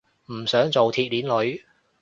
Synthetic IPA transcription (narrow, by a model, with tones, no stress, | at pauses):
m̩ː˨˩sœː˨˥ŋt͡so˨wt̪ʰiː˧t̚liː˨˥nlɵ˨˧ɥ